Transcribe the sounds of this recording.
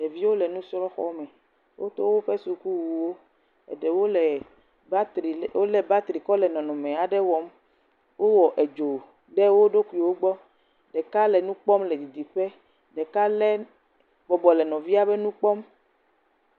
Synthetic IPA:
ɖe˨vi˦wo˦lɛ˨nũ˦sɾɔ˦xɔ̰˦mɛ̃˨ | wʔo̰˦t̪o˦wo˦ɸe˦su˨ku˦wu˨wo˦ | ɛ̰˨ɖɛ˨wo˦lɛ˨˦ | ɾwo˦lɛ˨ba˦t̪ɾi˨kɔ˦lɛ˨nɔ̃˨nɔ̃˨mẽ˨a˨ɖɛ˦wɔ˦m | wo˦wɔ˨ʔe˨d͡ʒo˨ | ɖɛ˦wo˦ɖo˦ku˨i˨wo˦ɡ͡bɔ˦ | ɖɛ˨ka˦lɛ˨nũ˦k͡pɔ˦mlɛ˨d̪i˨d̪i˨ɸɛ˦ | ɖɛ˨ka˦lɛ˦ | bɔ˨bɔ˨lɛ˨nɔ̃˨vi˦a˦bɛ˦nũ˦k͡pɔ˦m

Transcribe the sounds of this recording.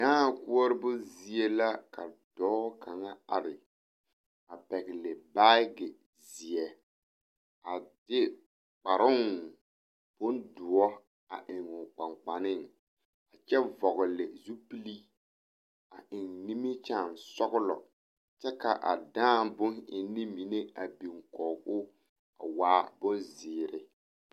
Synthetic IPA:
daː˦˨kʊ˦ɔ˦ɾɪ˦bʊ˦zi˨e˦la˦ka̰˨d̥ɔː˦kʰa˨ŋa˦a̰˨ɾɪ˨ | a˨pɛ˨ɣɪ˨lɪ˨ba˦ɡɪ˨ | zi˨ɛ˨ | a˨dɪ˦ | k͡pa˨ɾʊ˦ŋ | b̥ʊ˦ndʊ˨ɔ˦ | a̰˨ʔɪ˨ŋʊ˨k͡pa˨ŋ͡mk͡pa˨nɪ˦˨ŋ | a˨t͡ʃɛ˦vɔ˨ɣʊ˨lɪ˨zu˦pi˦li˦ | a˨ʔɪ˨ŋni˦mi˦t͡ʃa˦˨nsɔ˦ɣʊ˦lɔ̰˨ | t͡ʃɛ˦ka˨ʔa̰˨dãː˦˨bʊ˦nɪ˨nːɪ˦mi˨ne˦a˨bi˨ŋkɔː˨kʊ˦ | a̰˨waː˦bʊ˦nzɪː˨ɾɪ˦

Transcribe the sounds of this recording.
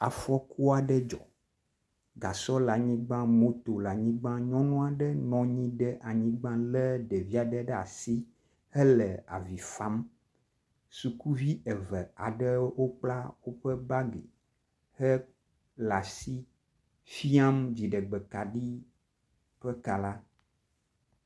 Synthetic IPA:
a˨fɔ˦ku˦a˨ɖɛ˦d͡ʒɔ̰˨ | ɡa˨sɔ˦la˨ɲĩ˦ɡ͡bã˦mo˦t̪o˨la˨ɲĩ˦ɡ͡bã˦ɲɔ̃˦nɔ̃˦a˨ɖɛ˦nɔ̃˦ɲĩ˦ɖɛ˦ʔa˨ɲĩ˦ɡ͡bã˦lɛ˦ɖɛ˨vi˦a˨ɖɛ˦ɖɛ˦a̰˨si˦ | hɛ˦lɛ˨a̰˨vi˨fa˦m | su˨ku˦vi˦ɛ˨və˨a˨ɖɛ˦wo˦k͡pla˦wo˦ɸə˦ba˦ɡḛ˨ | hɛ˦ | la˨si˦ | fi˦a˦md͡ʑi˨ɖɛ˨ɡ͡bɛ˨ka˨ɖi˦ | ɸɛ˦ka˨la˦

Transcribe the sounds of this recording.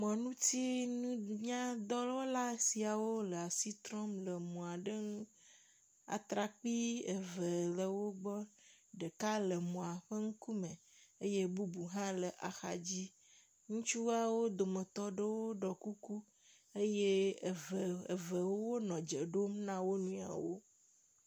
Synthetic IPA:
mɔ̃˨nũ˦t̪i˦nũ˦ɲã˦d̪ɔ˦lɔ˦la˦si˨a˨wo˦lə˨a˨si˦t̪ɾɔ˦mlə˨mɔ̃˨a˨ɖə˦ŋ̃˦ | a̰˨t̪ɾa˨k͡pi˦e˨və˨lə˨wo˦ɡ͡bɔ˦ɖə˨ka˦lə˨mɔ̃˨a˨ɸə˦ŋ̩˦ku˦mə˨ | e˦je˦bu˦bu˨ɦã˦lə˨ʔa˨xa̰˨d͡ʑi˦ | ŋũ˦t͡ʃu˦wa˨wo˦d̪o˨mə˨t̪ɔ˦ɖə˦wo˦ɖɔ˨ku˦ku˦ | e˦je˦˨ | e˨və˨wo˦wo˦nɔ̃˨d͡ʒə˨ɖo˦mnã˦wo˦nũ˦a̰˨wo̰˦

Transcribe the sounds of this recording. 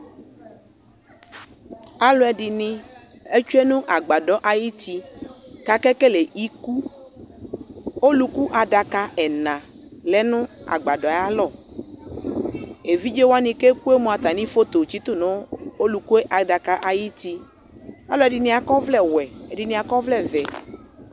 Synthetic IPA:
a˨lɔ˨˦ɛ˨ɖi˨nĩ˦ | e˦t͡ʃu˦e˦nũ˦ʔa˨ɡ͡ba˨ɖɔ˦ʔa˨ji˦t̪i˦ka˨kɛ˦ke˦le˨ʔi˦ku˦ | o˦lu˦ku˦ʔa˨ɖa˨ka˦ɛ˨nã˨ | le˦nũ˦a̰˨ɡ͡ba˨ɖɔ˨˦a˦lɔ˦˨ | e˨vi˦d͡ʒe˦wo˦a˦nĩ˨ke˦ku˦e˦mõ˨a˨t̪a˨nĩ˦fo˦t̪o˨t͡ʃi˦t̪o˦˨nɔ̃˦o˦lu˨ku˦e˦ʔa˨da˨ka˦ʔa˨ji˦t̪i˦ | a˦lɔ˦ɛ˨ɖi˨nĩ˦a˨kɔ˦vlɛ˦wɛ˨e˨di˨nĩ˦a˨kɔ˦vlɛ˦vɛ˨

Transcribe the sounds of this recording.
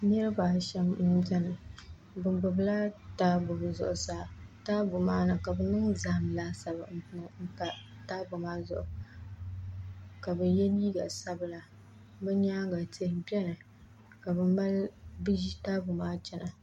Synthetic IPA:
ɲɛ˦ɾɨ˦ba˨ʃɛ˦mm̩˦d͡ʒɛ˦nɨ˨ | bɨ˨mbʊ˨bla˦taː˦bʊ˨bzʊ̰˨ʔʊ˨saː˦taː˦bʊ˨maː˦nɨ˨ka˨bɛ˨nɨ˦ŋza˨mlaː˦sa˨ba̰˨m̩˨pʊ˦ŋ̩˦ta˦ | taː˦bʊ˨maː˦zʊ̰˨ʔʊ˨ | ka˨bɛ˨jɛ˦liː˦ɡa̰˨sa˦bla˨ | bɛ˦ɲaː˦ŋɡa˨te˦hbɛ˦nɨ˨ | ka˨bɨ˦mba˦lbi˦ʒi˦taː˦bʊ˨maː˦t͡ʃɛ˦na˨

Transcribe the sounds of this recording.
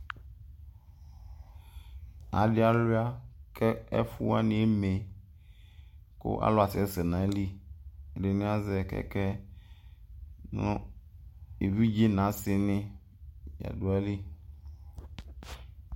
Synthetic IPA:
a̰˨ɖɪ˦a˨lu˦a˦kɛ˦ɛ̰˦fu˦a˦nɪ̃˨e˦me˨ | ko̰˦ʔa̰˦lɔ˦a˨sɪ˨ɛ˦se˨nã˨e˦li˦˨ɖɪ˨nẽ˦a˦zɛ˨kɛ̰˦kɛ˦ | nɔ̰̃˦ | e˨vi˦d͡ʒi˦nã˨˦sɪ˨nɪ̃˦ | ja̰˨ɖo˨a˦li˦

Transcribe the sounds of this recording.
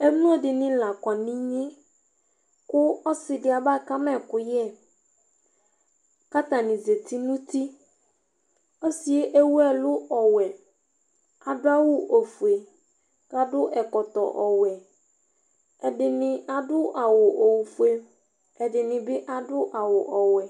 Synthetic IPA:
ɛ˦m˦ũ˦ɔ˦dɪ˨nɪ̃˦la˨kɔ˨nɪ̃˦ɲɪ̃˦ | kʊ˦ɔ˦sɪ˨dɪ˦a˨ba˦˨ka˦mɛ̃˦kʊ˦jɛ˦˨ | ka˦t̪a˨nɪ̃˨ze˨t̪i˦nũ˦t̪i˦ | ɔ˦si˨e˦ʔe˦wu˦ɛ˦lʊ˦ʔɔ˨wɛ˨ | a˨dʊ˦a˦wʊ˨ʔo˨fu˨e˨ | ka˨dʊ˦ʔɛ˨kɔ˨t̪ɔ̰˨ʔɔ˨wɛ˨ | ɛ˨dɪ˨nɪ̃˨a˨dʊ˦ʔa˨wʊ˨ʔo˨wu˨fu˦e˦ | ɛ˨dɪ˨nɪ̃˨bɪ˦ʔa˨dʊ˦ʔa˨wʊ˨ʔɔ˨wɛ˨

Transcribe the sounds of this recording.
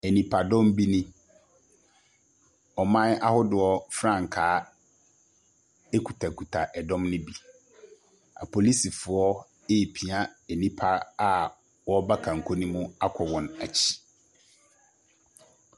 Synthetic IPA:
ɛ˨nĩ˨pʰa˨dɔ̃˦m˦bi˦nĩ˦ | ɔ˨mã˦na˦hʊ˦dɪ˨ɔ˦fɾã˦˨ŋ˨kʰaː˨˦ | e˦kʰu˨tʰa˨kʰu˨tʰa˨ʔɛ˨dɔ̃˦mnɪ̃˦bi˦ | a̰˨pʰo˨li˦si˨fʊ˨ɔ˦ | e˦˨pʰi˨a˦ɛ˨nĩ˦pʰa˦a˨ | wɔ˦ba˦kʰã˨ŋ̩˨kʰo˦nĩ˦mʊ̃˦a˦kʷʰɔ˨wɔ̃˨na˨t͡ɕʰi̥˦

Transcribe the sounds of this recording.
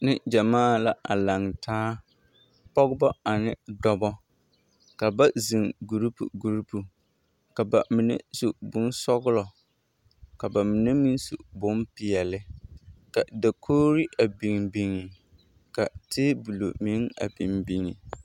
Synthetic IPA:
nɪ˦d͡ʒa˨maː˦la˨ʔa˨la˨ŋtʰaː˦ | pɔ˦ɣʊ˦bɔ˦a˨nɪ˨dɔ˦bɔ˦ | ka˨ba˦zi˨ŋɡu˨ɾi˦pṵ˨ɡu˨ɾi˦pu˨ | ka˨ba˨mi˨nḛ˦su˨bʊ˦n˦sɔ˦ɣʊ˦lɔ˨ | ka˨ba˨mi˨ne˦mi˦n˦su˨bʊ˦m˦pɪ˨ɛ˨lɪ˦ka˨da˨kʰoː˦ɾi˦ʔa˨bi˨ŋbi˨ŋi˨ | ka˨tʰɪ˦bu˨lo̰˨mi˨˦ŋa̰˨bi˨mbi˨ŋi˨

